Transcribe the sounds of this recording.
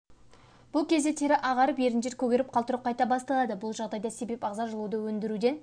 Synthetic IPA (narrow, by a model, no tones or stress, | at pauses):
b̥ʊlˠkʲʰe̞zd̪et̪ʰeɾɪʔɑʁɑɾəpje̞ɾɪnd͡ʒeɾkʲʰɵɡʲeɾɪp̚qʰɑlˠt̪əɾəp̚qʰɑjt̪ɑbɑst̪ɑlˠɑd̪əbʊlˠʒɑʁd̪ɑjd̪ɑse̞be̞pɑʁzɑʒəlˠud̪əwɵnd̪ɪɾud̪e̞n